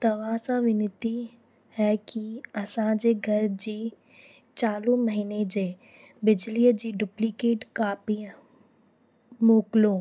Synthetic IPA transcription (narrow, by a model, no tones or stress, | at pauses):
t̪ɐʋaːsaʋɪnɪt̪i | hɛkiɐsãd͡ʒeɡʱɐɾd͡ʒiː | t͡ʃaːlõməɦiːned͡ʒeː | bɪd͡ʒlid͡ʒiːɖʊplikeːʈkaːpi | moːklõː